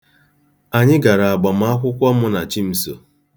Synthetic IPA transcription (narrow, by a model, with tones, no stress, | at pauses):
a˨ɲɪ˦ɡa˨ɾa˨a˨ɡ͡ba˨m̩˦a˦kʷʊ˦kʷa˦ʊ˦na˨t͡ʃi˦m̩˦so̰˨